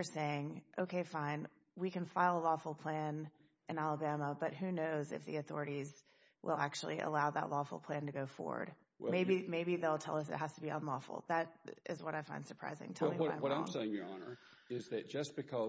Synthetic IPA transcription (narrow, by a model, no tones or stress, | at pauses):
ə˞seɪɪ̃ŋʔoʊkʰeɪfãɪ̃n | wikɨ̃nfaɪlˠəlɔfl̩ˠpʰl̥æ̃n | ʔɨ̃nælˠəbæməbʌt̚ɦʉnoʊzɨ̰fðḭɨθɔ̰ɹɨɾiz | wʔɪ̰lˠæk̚t͡ʃul̩ˠiʔə̰laʊðə̰ʔˡlɔfl̩ˠpʰl̥æ̃ntɨɡoʊfɔ̰ɹwə̰˞d̥̚ | meɪbimeɪbiðeɪlˠtʰɛ̰lˠʌsɨ̰t̚ɦæz̥təbiə̰̃nlɔ̰fl̩ˠðɨɾɪ̰zwʌɾaɪfãɪ̃nd̥sə˞pʰɹ̥a̰ɪzɪ̰̃ŋtʰɛjiʌaɪ̃wʌɾãɪ̃mseɪɪ̃ŋjə˞ɑnə̰˞ | ɪzðɨt̚d̥ʒ̥ʌsb̥ɨkʰʌ